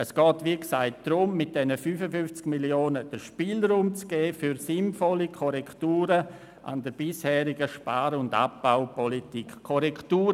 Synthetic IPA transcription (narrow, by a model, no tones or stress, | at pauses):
əsɡ̥ɔːtʋiːksaɪt̚d̥ɾʊmːɪt̚d̥ɛnəfyːfəfʏnft͡skmiljoːnəd̥əʃpiːlɾuːmt͡sɡ̥eːfyɾsɪnfɔlikʰɔɾɛktuːɾə | ʔa̰ndəɾb̥ɪshɛːɾɪɡəʃpaːɾʊnda̰p̚b̥aʊpɔlitikkʰːɔɾɛktuːɾə